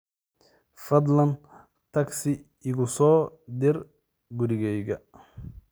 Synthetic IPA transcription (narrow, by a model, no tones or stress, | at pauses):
fɐd̪lɐn | t̪ʰɐksɪ | ɪɣʊsɔːd̪ɪɾ | ɡʊɾɪɣɛjɣɐ